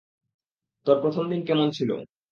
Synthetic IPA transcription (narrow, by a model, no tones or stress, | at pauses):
t̪ɔɾpɾot̪ʰomd̪inkɛmont͡ɕʰilo̰